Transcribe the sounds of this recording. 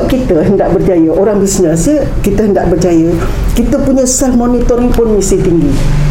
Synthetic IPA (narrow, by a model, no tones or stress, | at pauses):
kit̪əɦəndaʔbərd͡ʒajəʔoɾaŋbisnə̃sə | kit̪əɦəndaʔbərd͡ʒajə | kit̪əpuɲəsɛlmonit̪ɔɾiŋpʊnmisit̪iŋɡi